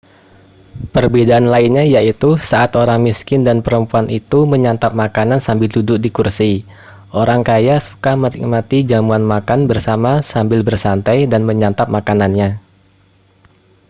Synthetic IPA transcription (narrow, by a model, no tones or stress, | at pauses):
pərbedaʔanlaɪnɲajait̪usaʔat̪oɾaŋmiskɪndanpəɾəmpuanʔit̪uməɲant̪ap̚makanansambɪldudʊk̚dikursi | ʔoɾaŋkajasu̥kamənḭk̚mat̪id͡ʒamuanmakanbərsamasambɪlbərsant̪ajdanməɲant̪ap̚makananɲa